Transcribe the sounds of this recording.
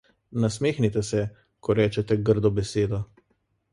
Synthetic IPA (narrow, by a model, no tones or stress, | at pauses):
nasmeːxnit̪ɛsɛ | kʰɔɾɛːt͡ʃɛt̪ɛɡəɾd̪ɔbɛseːd̪ɔ